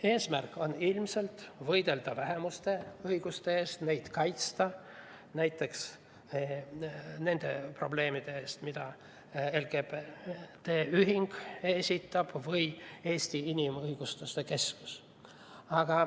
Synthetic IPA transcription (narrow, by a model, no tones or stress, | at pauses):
e̞ːsmærkːˑo̞nilmse̞lt̪vɤjd̪̥e̞ld̪̥ɑvæɦe̞must̪e̞ɤjɡ̥ust̪eeːst̪ne̞jd̪̥kɑjt̪st̪ɑ | næjt̪ˑːe̞ks | ne̞nd̪̥e̞pro̞ble̞ːmid̪̥e̞eːst̪mid̪̥ɑ | e̞lɡ̥e̞b̥t̪eːyɦiŋɡ̥esʲit̪ːˑɑb̥vɤje̞ːsʲt̪iinimɤjɡ̥ust̪ust̪e̞ke̞skus | ɑɡ̥ɑ